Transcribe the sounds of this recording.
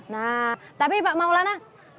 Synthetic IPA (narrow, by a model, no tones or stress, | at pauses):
nat̪apibaʔmaulana